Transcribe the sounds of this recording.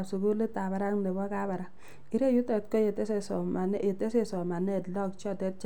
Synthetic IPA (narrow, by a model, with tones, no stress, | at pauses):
su˨ku˦le˦ta˨ba˨ɾa˦ŋne˨bɔ˦ka˦ba˨ɾa˨ŋ | i˦ɾe˦ju˦tɔ˨t̚kɔ˦je˨te˦se˦˨sɔ˨ma˨n˦e˨te˦se˦sɔ˨ma˨nɛ˦˨tlɔ˦kt͡ʃɔ˦˨tɛ˦t̚t͡ʃ